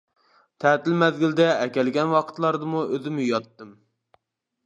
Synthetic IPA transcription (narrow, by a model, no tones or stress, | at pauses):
t̪ʰæt̪ɪlmɛðɡʲɪld̪ɛɛkʲɛlɡʲɛnwɑqʰə̥t̪lˠɑɾd̪ɨmuøzɪmujɑt̪ːɨm